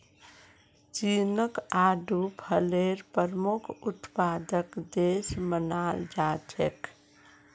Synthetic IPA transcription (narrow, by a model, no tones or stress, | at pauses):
t͡ʃinəkaːɖʱupʰəleɾpəɾmukʰut̪paːd̪əkd̪esmənald͡ʒad͡ʒek